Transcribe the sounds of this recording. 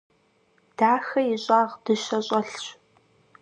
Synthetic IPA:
d̥aːxɐɪɕʼaːʁd̥ɨʃɐɕʼɐɬɕ

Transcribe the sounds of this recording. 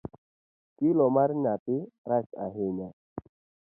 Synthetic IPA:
kilɔmaɾnatiɾat͡ʃa̰ɦeɲa

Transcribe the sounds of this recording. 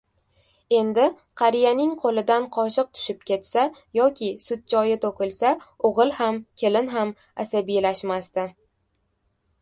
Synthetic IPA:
e̞nd̪ɪ | qʰɑɾɪjanɪŋqʰolɪd̪anqʰɒʃɨq̚t̪ʰʊ̥ʃɪp̚kʲʰe̞t̪sajɒkʲʰɪsʊt̪̚t͡ʃɒjɪt̪ʰokʲɪlˠsaoʁɨlˠhamkʲʰe̞lɪnɦam | asabijlaʃmast̪ɪ

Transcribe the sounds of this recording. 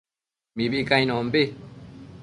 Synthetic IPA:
mĩbikãj̃nɔ̃m̩be

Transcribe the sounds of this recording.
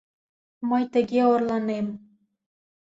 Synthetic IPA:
məjt̪əɣeorlɑnem

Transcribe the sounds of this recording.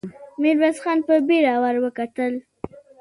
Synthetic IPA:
meɾwasxɑnpəbeɾɑwaɾwəkat̪əl

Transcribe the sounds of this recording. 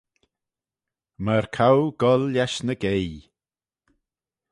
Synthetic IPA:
məɾkʰawɡɔlːjaʃnəɡej

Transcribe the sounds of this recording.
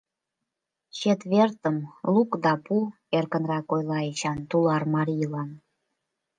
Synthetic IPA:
ɕet̪βert̪əmlukd̪ɑpu | erkənrɑkojlˠɑet͡ɕɑnt̪ulɑrmɑɾʲijlɑn

